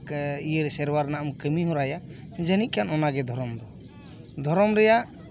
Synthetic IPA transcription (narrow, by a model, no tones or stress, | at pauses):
ijəɾsɛɾwaɾnaʔamkəmiɦɔ̃ɾaja | d͡ʒənit̪̚kʰanɔnaɡɛd̪ʱɔɾɔmd̪ɔ | d̪ʱɔɾɔmɾɛjaʔ